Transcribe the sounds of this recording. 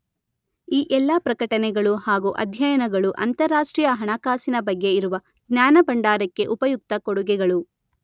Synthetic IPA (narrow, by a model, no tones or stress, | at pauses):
iːʔɛlːapɾɐkɐʈɐnɛɡɐɭuhaːɡuʔɐ̰d̪ʱjɐjɐnɐɡɐɭuʔɐnt̪ɐɾːaːʂʈɾiːjɐɦɐɳakaːsinɐbɐɡːe̞iɾuʋɐ | ɡnjaːnɐbɐɳɖaːɾɐkːe̞ʔupɐjuk̚t̪ɐkoɽuɡɛɡɐɭu